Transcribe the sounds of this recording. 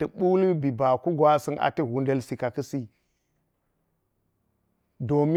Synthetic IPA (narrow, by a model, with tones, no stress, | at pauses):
tɐ˨ɓu˦lu˦bi˨ba˨ku˦ɡwa˦sɨ˦na̰˨tɐ˦˨wu˦ndɐ˦lsi˨ka˨kɐ˦si˦ | do˨mi˦